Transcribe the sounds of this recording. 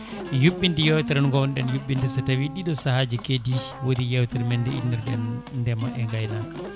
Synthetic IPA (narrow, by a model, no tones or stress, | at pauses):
juɓːindijɛwtɛɾɛnŋɡɔwnɗɛnjuɓːindisatawiɗiɗɔsahad͡ʒikediwodijɛwtɛɾmɛndɛḭnːiɾɗɛndɛmaʔɛŋɡajnakḁ